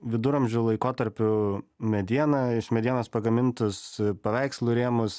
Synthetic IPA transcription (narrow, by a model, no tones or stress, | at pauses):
ʋʲɪd̪ʊɾɐmʲʒʲʊlˠɐɪkoːt̪ɐɾʲpʲʊmʲɛd̪ʲiɛnɐɪʃmʲɛd̪ʲiɛnoːspɐɡɐmʲɪnt̪ʊspɐʋʲæɪkslˠʊːɾʲeːmʊs